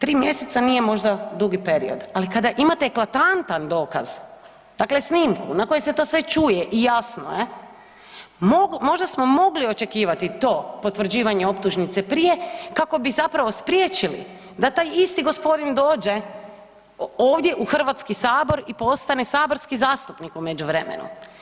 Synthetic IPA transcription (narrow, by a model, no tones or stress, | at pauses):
t̪ɾiːmje̞se̞t̪sanijemo̞ʒd̪ad̪uɡipe̞ɾḭo̞̰d̪alikad̪aʔimat̪eːklat̪ant̪and̪o̞ːka̰z | d̪̥akle̞sniːmkunako̞jese̞t̪o̞ːsʋe̞t͡ʃujeʔijasno̰je | moɡmo̞ʒd̪asmo̞mo̞ɡlio̞t͡ʃe̞kiːʋat̪it̪o̞ːpo̞t̪ʋr̩d͡ʑiːʋaɲeo̞p̚t̪uʒnit̪se̞pɾije̞kako̞bizapɾaʋo̞spɾʲjet͡ʃilḭ | d̪at̪aːjist̪iɡo̞spo̞d̪ind̪o̞ːd͡ʒe̞ | oːʋd̪je̞ʔuxr̩ʋat̪skisaːbo̞ɾipo̞st̪anesaːboɾskizaːst̪upnikumed͡ʒuʋɾe̞mḛnṵ